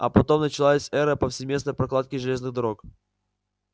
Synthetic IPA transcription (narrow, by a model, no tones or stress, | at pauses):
ɐ̰pɐt̪o̞mnət͡ɕɪlˠasʲɛɾəpəfsʲɪmʲe̞snəjpɾɐklˠat̪̚kʲɪʐɨlʲe̞znɨɣd̪ɐɾo̞k